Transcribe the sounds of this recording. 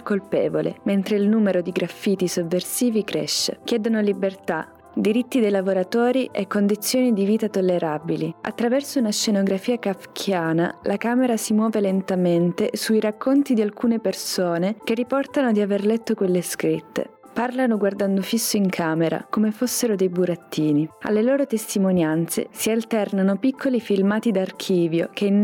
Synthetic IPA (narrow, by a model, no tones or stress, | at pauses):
kːolpɛːvolḛment̪ɾeilnuːmeɾod̪iɡɾafːiːt̪isovːersiːvikɾḛʃːḛk̟jɛːd̪onolibert̪a̰ | d̪iɾit̪ːid̪ejlavoɾat̪oːɾiʔekːond̪it̪sːjoːnid̪iviːt̪at̪olːeɾaːbilia̰t̪ːɾavɛrsounaʃenoɡɾafiːakafkʰjaːna̰lʔakaːmeɾasimwɔːvelent̪ament̪esuiɾakʰːont̪id̪ialkuːnepersoːnek̟erːipɔrt̪anod̪iaverlɛt̪ːokwelːeskɾit̪ːḛ | parlanoɡward̪and̪ofisːoiŋkʰaːmeɾa̰komefosːeɾod̪ejbuɾat̪ːiːnia̰lːeloːɾot̪est̪imonjant̪sḛsialt̪ɛrnanopikːolifilmaːt̪id̪ark̟ʰiːvjo̰ken